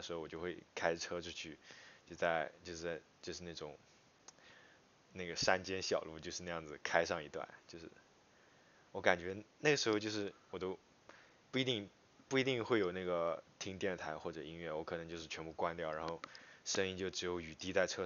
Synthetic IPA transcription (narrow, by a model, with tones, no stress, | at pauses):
ʂɻ̩˧˥xo˥˧wɔ˨˩t͡ɕjo˥˧ʊxwe˥˩ɪkʰa˥ɪʈ͡ʂʰɤ˥ʈ͡ʂʰu˥t͡ɕʰy˥˩t͡ɕo˥˧ʊt͡sa˥˧ɪt͡ɕjo˥˧ʊʂ̩˥˩˥ɪt͡ɕjo˥˧ʊʂɻ̩˥˧na˥˩ʈ͡ʂʊ˨˩˦ŋ | na˥˩ɡə˩ʂa˥nt͡ɕjɛ˥nɕjɑ˨˩ʊlu˥˧t͡ɕjo˥˧ʊʂɻ̩˥˧a˥˧jɑ˥˩ŋd͡zɹ̩˩kʰa˥ɪʂɑ˥˧ŋi˧˥t̪wa̰˥˩nt͡ɕjo˥˧ʊʂɻ̩˥˩ | wɔ˧˥ka˨˩nt͡ɕɥɛ˧˥na˥˩ɡə˩ʂɻ̩˧˥xo˧t͡ɕo˥˧ʂɻ̩˥˩wɔ˨˩t̪o˥ʊ | pu˥˩i˧˥t̪i˥˩ŋ | pu˥˩i˧˥t̪i˥˧ŋxwe˥˩ɪjo˨˩ʊna˥˩ɡə˩t̪ʰi˥ŋt̪jɛ˥˩nt̪ʰa˧˥ɪxwɔ˥˩ʈ͡ʂɤ˨˩i˥ŋɥɛ˥˩wɔ˧˥kʰɤ˨˩nɤ˧˥ŋt͡ɕjo˥˧ʂɻ̩˥˩t͡ɕʰɥɛ˧˥npu˥˧˩kwa˥nt̪jɑ˥˩ʊɻa˧˥nxo˥˩ʊʂə˥ŋi˥ŋt͡ɕjo˥˩ʊʈ͡ʂɻ̩˧˥jo˧˥ʊy˨˩t̪i˥t͡sa˥˩ɪʈ͡ʂʰɤ˥